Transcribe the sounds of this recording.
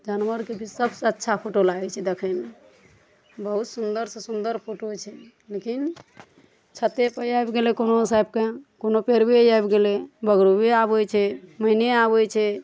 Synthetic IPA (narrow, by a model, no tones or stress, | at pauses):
d͡ʒanwəɾkebʱisəbsətːʃʰapʰoʈolaɡɛt͡ʃʰɛd̪ekʰəme | bəɦut̪sund̪əɾsẽsund̪əɾpʰoʈot͡ʃʰɛ | lekin | t͡ʃʰət̪ːepəjajbɡelekonosajb̚kekonopeɾbejajbɡelebəɡɾubʱeabet͡ʃʰɛməɪneabet͡ʃʰɛ